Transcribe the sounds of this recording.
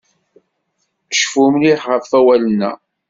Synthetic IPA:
θə̥ʃfumliħʁəvfæwælənːæ̰

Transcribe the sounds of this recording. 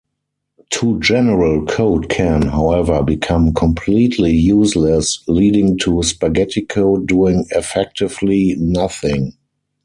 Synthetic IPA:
tʰud͡ʒɛnəɹəlkʰoʊdkʰɛ̃nɦaʊɛvə˞bikʰãmkʰɔ̃mpʰliːtʰlijuːslɛsliːdɪ̃ŋtʰuspaɡɛtʰɪkʰoʊduɪ̃ŋɛfɛk̚tɪvlinaθɪ̃ŋ

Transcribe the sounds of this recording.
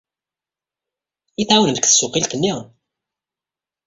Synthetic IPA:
iθawnənkθə̥sːʊqilkənːiʁ

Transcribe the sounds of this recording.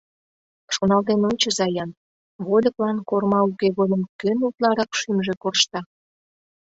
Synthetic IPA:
ʃonɑlt̪enonʲt͡ɕə̆zɑjɑn | βolʲə̆klɑnkormɑukeɣod̪ə̆mkønut̪lɑɾɑkʃymʒĕkorʃt̪ɑ

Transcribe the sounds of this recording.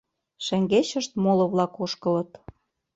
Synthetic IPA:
ʃæŋɡeɕə̆ʃt̪molɤ̆βlɑkoʃkɤ̆lɤ̆t̪

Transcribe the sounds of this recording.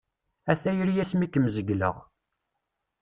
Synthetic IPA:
æθæjəɾjæsmikːəmzəɡlə̰ʁ

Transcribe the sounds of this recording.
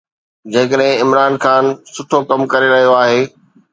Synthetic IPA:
d͡ʑẽːkəɗɦɪ̃ɪmɾaːnxaːnsʊʈʰokɐmkɐɾeɾɐɦijoaːɦeː

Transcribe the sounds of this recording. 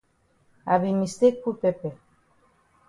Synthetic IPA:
aβimist̪ekːupepe

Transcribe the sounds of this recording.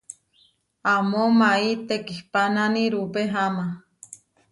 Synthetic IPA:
amomait̪ekihpananiɾupeɦama

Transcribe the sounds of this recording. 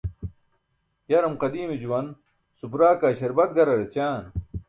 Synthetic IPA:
jɐɾɐmqɐd̪iːmed͡ʑuwɐn | supɾaːkaːɕɐɾbɐt̪̚ɡɐɾɐɽet͡ɕaːn

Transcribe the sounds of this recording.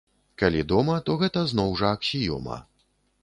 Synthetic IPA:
kalʲid̪ɔmɐt̪ɔɣɛt̪ɐznɔwʐɐːksʲijɔ̰mɐ̰

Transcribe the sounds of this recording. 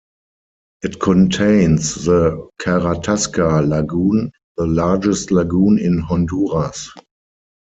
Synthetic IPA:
ʔɪtkʰɔ̃ntʰẽɪ̃nsðəkʰaʁatʰaskalaɡũːn | ðəlad͡ʒɛstlaɡũːnɪ̃nhɔ̃nduːʁas

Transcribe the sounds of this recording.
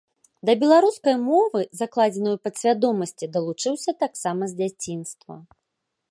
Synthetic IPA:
d̪ɐbʲɛlˠaɾuskɐjmɔvɨzaklˠad͡zʲɛnɨjupɐt̪sʲvʲad̪ɔmɐsʲt͡sʲid̪ɐlˠut͡ʂɨwsʲɐt̪aksamɐzʲd͡zʲat͡sʲinst̪vɐ̰

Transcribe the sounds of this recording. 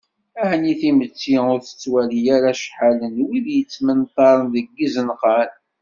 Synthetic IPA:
æhniθimət͡sːiʊɾθə̥t͡sːwælijæɾæʃħalənwiðjət͡sːmənt̪ˤɑɾˤənðəɡːəzənqɑl

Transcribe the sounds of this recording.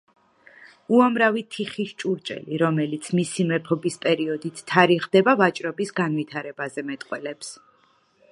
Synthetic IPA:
uamɾavit̪ʰiχiʃt͡ʃʼuɾt͡ʃʼɛ̰liɾɔmɛlit̪sʰmisimɛpʰɔbispʼɛɾiɔd̪it̪ʰt̪ʰːaɾiʁd̪ɛbavat͡ʃʼɾɔbisɡanvit̪ʰaɾɛbazɛmɛt̪ʼqʼwɛlɛps

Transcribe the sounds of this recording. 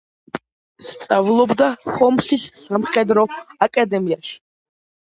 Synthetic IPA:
stt͡sʼavlˠɔbd̪aχɔmsisːamχɛd̪ɾɔakʼad̪ɛmijaʃ

